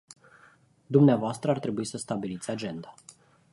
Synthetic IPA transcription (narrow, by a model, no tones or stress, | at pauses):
d̪umneavoast̪ɾəart̪ɾe̞buisəst̪abilit̪sʲad͡ʒe̞nd̪ḁ